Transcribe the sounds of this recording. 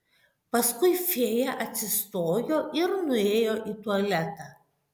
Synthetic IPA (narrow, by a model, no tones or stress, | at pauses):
pɐskʊɪfʲeːjɛʔɐt̪ʲsʲɪst̪oːjoːʔɪɾnʊeːjoːʔiːt̪uɔlʲɛt̪ɑ